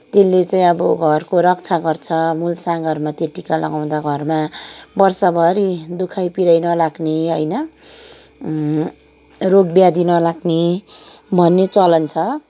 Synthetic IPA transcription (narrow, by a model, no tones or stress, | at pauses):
t̪elːet͡saĩʌbʌɡʱʌrkoɾʌkt͡sʰaɡʌrt͡sʰʌmulsaɡʱʌrmat̪eʈːikalʌ̰ɡaw̃d̪aɡʱʌrmabʌrsʌbʱʌɾid̪ukʰajpiɾʌjnʌlaɡneɦʌjnʌ | roɡbjad̪inʌlaɡne | bʱʌnːet͡sʌlʌnt͡sʰʌ